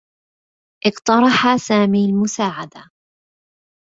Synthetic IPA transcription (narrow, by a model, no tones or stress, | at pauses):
ʔɪqt̪ɑɾˤɑħasaːmiːlmʊsaːʕad̪a